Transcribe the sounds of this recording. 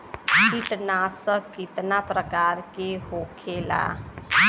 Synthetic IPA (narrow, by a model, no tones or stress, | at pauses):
kiʈnasəkit̪napɾəkaɾkeɦokʰela̰